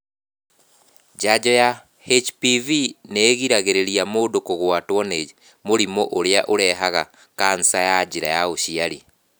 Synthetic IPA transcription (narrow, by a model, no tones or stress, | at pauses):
d͡ʒad͡ʑɔja | het͡ʃpivineːɣiɾaɣeɾeɾiamoːdokoɣwatwɔne | moɾimoʔoɾeaʔoɾɛɦaɣa | kan̩sajad͡ʑiɾa̰jaoɕiaɾi